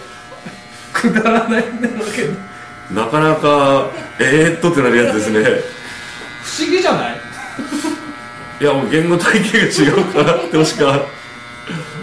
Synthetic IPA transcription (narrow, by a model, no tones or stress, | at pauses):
kʰɯd̪aɾanaĩnd̪eked̪ | nakanakaeːt̪ːot̪ːe̞naɾɯ̟jat͡sɨd̪esɨne̞ | ɸɯ̟̥ɕiɡʲid͡ʑanai | jamoɡẽ̞nɡot̪aikeːɡat͡ɕiɡaɯkʰat̪ːeoɕi̥ka